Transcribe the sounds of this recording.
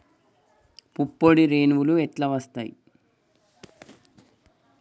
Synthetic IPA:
pupːoɽiɾeːnʋuluɛʈlɐʋɐst̪ajḭ

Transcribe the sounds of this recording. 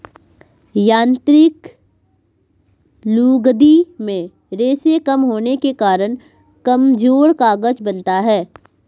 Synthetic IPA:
jãːnt̪ɾɪk | luːɡd̪imẽ | ɾeːsekəmɦoːnekekaːɾəñ | kɐmd͡ʒoːɾkaːɡəd͡ʒbɐnt̪aɦɛː

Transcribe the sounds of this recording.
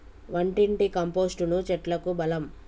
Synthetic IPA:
ʋɐɳʈiɳʈikɐmpo̞ːsʈunut͡ʃɛʈlɐkubɐlɐm

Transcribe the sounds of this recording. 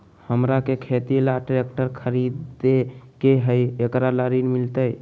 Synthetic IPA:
həmɾakekʰet̪ilaʈɾek̚ʈəɾkʰəɾid̪ekeɦəjekɾaləɾinmilt̪əj

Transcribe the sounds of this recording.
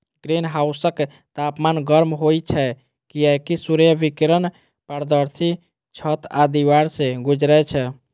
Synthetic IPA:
ɡ̥ɾinɦaʊsək | t̪apmanɡəɾmɦojt͡ʃʰɛ | kiɛkisuɾjəbikɾən | pəɾd̪əɾsi | t͡ʃʰət̪ad̪iwaɾsẽɡud͡ʒɾɛt͡ʃʰɛ

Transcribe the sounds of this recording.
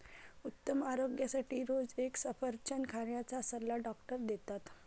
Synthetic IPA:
ut̪ːəmaɾoɡjasaʈiːɾod͡zeksəfəɾt͡ɕənkʰaɾjat͡sasəlːaɖɔkʈəɾd̪et̪at̪

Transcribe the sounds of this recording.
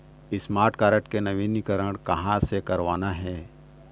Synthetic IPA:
ɪsmaːɾʈʰkaːɾəʈkenɐʋiːnikɐɾəɽ̃kɐɦãsekɐɾʋaːnaɦɛː

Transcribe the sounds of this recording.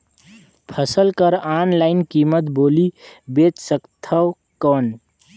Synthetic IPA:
pʰəsəlkəɾaːnlaɪnkimət̪boːlibeːt͡ʃ̪səkt̪ʰəw | kɔːn

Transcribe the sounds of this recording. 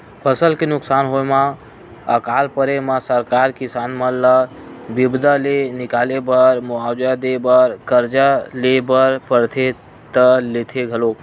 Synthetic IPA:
pʰəsəlkenʊksaːnɦoemã | ə̰kaːlpəɾemãsəɾkaːɾkɪsaːnməlləbibd̪alenɪkaːlebəɾmoawd͡ʒad̪ebəɾkəɾd͡ʒalebəɾpəɾt̪ʰe | t̪əlet̪ʰeɡʱəlo

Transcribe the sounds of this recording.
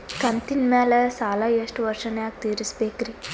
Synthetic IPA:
kɐnt̪inmɛːlɛsaːlajeʂʈʋɐɾʃɐnjaːk̚t̪iːɾispeːkɾi

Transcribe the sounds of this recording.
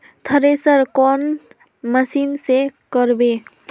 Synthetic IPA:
t̪ʰəɾesəɾkɔn | məsinsekəɾbe

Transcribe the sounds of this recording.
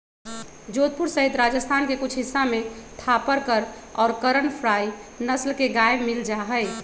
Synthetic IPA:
d͡ʒot̪̚puɾsəɦit̪ɾad͡ʒəst̪ʰankekʊt͡ʃʰɦisːamẽt̪ʰapəɾkəɾ | ɔːɾkəɾəɳpʰɾainəslkeɡajmild͡ʒaɦəɪ

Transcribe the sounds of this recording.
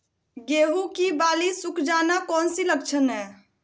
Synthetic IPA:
ɡeɦukibalisukʰd͡ʒanakɔnsilək̚t͡ʃʰənɛ

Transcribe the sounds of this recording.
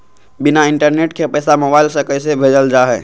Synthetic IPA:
bɪnaɪɳʈəɾneːʈkʰepɛːsamobaɪlsəkəjsebʱeːd͡ʒəld͡ʒaːɦɛː

